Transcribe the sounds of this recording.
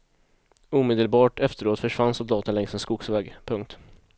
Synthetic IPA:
uːmeːd̪əlbɑːʈɛft̪əɾoːt̪fœʂvansɔlɑːt̪ənlɛŋsɛnskʊɡsvɛːɡpʰɵŋk̚t̪

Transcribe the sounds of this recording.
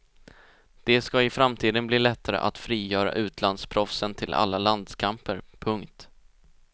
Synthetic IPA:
d̪̥ɛskaɪfɾamt̪ʰiːd̪ənbliːlɛt̪ʰːaɾə̰ʔa̰t̪fɾiːjœːɾa̰ʔʉ̟ːt̪ʰland̪spʰɾɔfsənt̪ʰɪla̰lːaland̪skʰampəɾpʰɵŋkt̪

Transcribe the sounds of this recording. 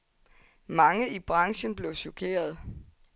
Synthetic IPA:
mɑ̈ŋəib̥ʁɑ̈ŋɕənb̥le̝ʊɕokʰe̝̰ːɐð̞ˠ

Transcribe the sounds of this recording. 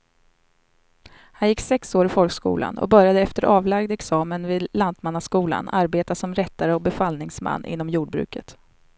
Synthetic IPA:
hanjɪkːsɛksoːɾɪfɔlkskṵːla̰nɔ̰bœɾjad̪əɛft̪əɾʔɑːvlaɡd̪ɛksɑːmənvɪd̪lant̪manːaskuːla̰naɾbeːt̪asɔmɾɛt̪ːaɾəɔbɛfalnɪŋsma̰nːʔɪ̰nːɔmjuːɖ̚bɾʉ̟̰ːkət̪

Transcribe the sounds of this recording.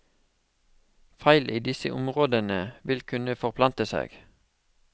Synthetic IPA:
fæɪlʔiːd̪ɪsə̰ʔʊmʁoːd̪ənəʋɪlkʰʉnəfɔʁpʰlɑnt̪əsḛːɡ̥

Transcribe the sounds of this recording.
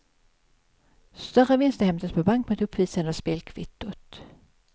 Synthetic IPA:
st̪œɾəvɪnst̪əhɛmt̪əspʰɔbaŋkmɛɛt̪ɵpʰːviːsənd̪əspeːlkʰvɪt̪ːʊt̪

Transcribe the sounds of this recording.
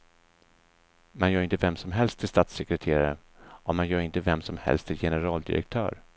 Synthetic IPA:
manjœːɾɪnt̪əvɛmsɔmɦɛlst̪ʰɪlst̪aːt̪sɛkɾɛt̪ʰeːɾa̰ɾə | ʔɔmanjœːɾɪnt̪əvɛmsɔmhɛ̰lst̪ʰɪjɛnəɾɑːld̪ɪ̰ɾɛ̰k̚t̪ʰœ̰ːɾ

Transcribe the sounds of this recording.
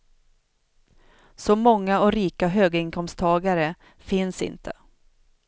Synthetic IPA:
sɔmɔŋːaɔɾiːkaɦøːɡaɪŋkʰɔmst̪ʰɑːɡaɾə | fɪnsɪ̰nt̪ʰə̰

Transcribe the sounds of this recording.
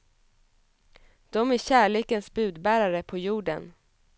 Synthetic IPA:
d̪̥ɔmæɕæːɭeːkənsbʉ̟ːd̪bæːɾaɾəpʰɔjuːɖə̰n

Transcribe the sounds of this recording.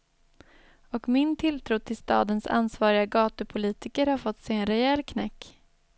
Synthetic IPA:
ɔkmɪnt̪ʰɪlt̪ʰɾuːt̪ʰɪlst̪ɑ̰ːd̪ənsa̰nsvɑːɾɪɡaɡɑːt̪əpʰʊliːt̪ɪkəɾhaɾfɔt̪ːsɛjɛnɾɛɛlːkʰnɛkː

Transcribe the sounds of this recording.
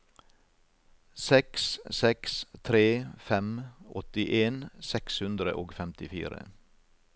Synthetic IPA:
sɛkssɛkst̪ʰɾeːfɛmʔɔt̪ɪʔeːnsɛkshʉnd̪ɾə̰ʔoːɡfɛmt̪ɪfḭːɾə̰

